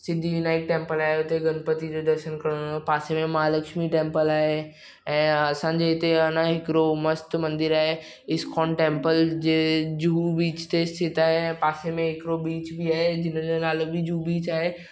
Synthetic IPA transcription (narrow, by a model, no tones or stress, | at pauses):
sɪ̃nd̪ʱijunaːɪk̚ʈẽːmpəlaːɦeʊt̪eɡɐnpət̪id͡ʑod̪ɐɾʃənkɐɽ̃opaːsemẽmaaləkʃmiʈẽːmpəlaːɦe | ɛ̃ːɐsãːɲd͡ʑeɪt̪eɐnãɦɪkɪɾomɐst̪mɐ̃nd̪ɪɾaːɦe | ɪskʰɔːnʈẽːmpəld͡ʑeːd͡ʑuːbiːt͡ɕt̪est̪ʰɪt̪aːɦepaːsemẽɦɪkɾobiːt͡ɕbʱiaːɦed͡ʑɪnəd͡ʑonaːlbʱid͡ʑuːbiːt͡ɕaːɦe